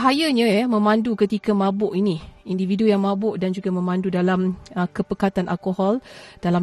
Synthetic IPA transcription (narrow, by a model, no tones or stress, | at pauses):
ɦajaɲãjamə̃mãndukət̪ikamãbʊʔiniindividujaŋmãbʊʔdand͡ʒuɡamə̃mãndudalaməkəpəkat̪anʔa̰lkoɦɔld̥alam